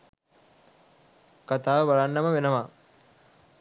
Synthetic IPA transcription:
kat̪aːʋəbaɭanːɐməʋenəʋa

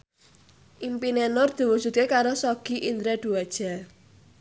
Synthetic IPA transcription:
ʔimpinenʊrd̪̥i̤wu̥ʒ̥ṳt̪̚kekaɾosɔɡ̥i̤ʔind̪ɾɛd̪̥uad̥ʒ̥a̤

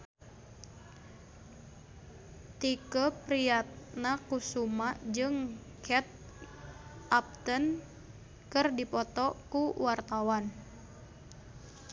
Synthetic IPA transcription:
t̪ikəpɾiat̪̚nakusumaʔd͡ʒɨŋ | kʰɛt̪̚ | ʔap̚t̪ən | kɨrdipɔt̪ɔkuwart̪awan

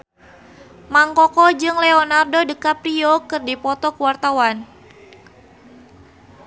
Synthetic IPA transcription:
maŋkɔkɔd͡ʒɨŋleɔnardodəkapɾiokɨrdipɔt̪ɔkəwart̪awan

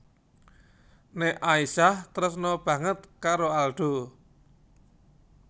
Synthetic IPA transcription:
neʔaisaht̪əɾʊsnɔb̥ä̤ŋət̪̚kaɾoalɖ̪̥o̤

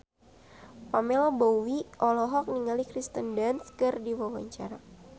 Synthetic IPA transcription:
pamɛlɔbowiʔɔlɔɦɔk̚niŋalikɾist̪əndanskɨrdiwawaɲt͡ʃaɾa

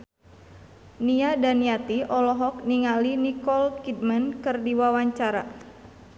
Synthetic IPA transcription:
niadaniat̪iʔɔlɔɦɔk̚niŋalinikɔlkid̪̚mənkɨrdiwawaɲt͡ʃaɾa̰

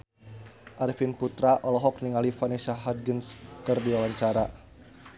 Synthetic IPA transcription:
ʔaɾifinput̪ɾaʔɔlɔɦɔk̚niŋalifanɛʃaɦad̪̚ɡənskərdiwawaɲt͡ʃaɾa

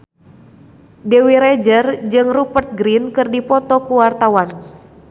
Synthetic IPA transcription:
dewiɾɛd͡ʒərd͡ʒɨŋrupərt̪̚ɡɾinkɨrdipɔt̪ɔkuwart̪awan

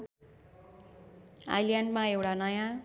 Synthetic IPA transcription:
a̰jljaɳɖmãewʈanʌjã

